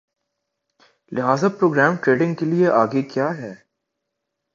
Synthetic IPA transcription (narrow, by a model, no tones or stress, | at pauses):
lɪɦaːzapɾoːɡɾɛːmʈɾeːɖɪ̃ŋɡkelieʔaːɡekjaːɦɛː